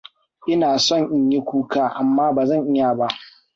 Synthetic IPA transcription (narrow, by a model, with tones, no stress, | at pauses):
ʔɪ˦naː˨sɔ˦˨ɲʔɪ˨ɲji˦kʷuː˦kaː˦˨ʔa˨mːaː˦baː˨zɐ˦˨ŋʔɪ˦ja˨ba˦ʔ